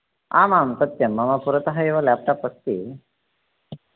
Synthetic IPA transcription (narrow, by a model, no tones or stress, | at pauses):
a̰ːmaːmt̪ɐt̪jɐmːɐmapuɾət̪ɐɦajeʋəljap̚t̪apəst̪ḭː